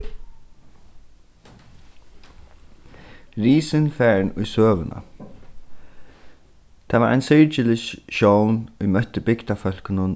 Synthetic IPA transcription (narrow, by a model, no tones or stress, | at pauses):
ɾiːsɪnfæːɹɳʊ̰jsøːʋənʔa̰ | t̪ʰaːʋa̰ɾʔa̰jnsɪɹt͡ʃɪlɪʃʃownʊjmœht̪ɪbɪkt̪afœl̥kɪnʊn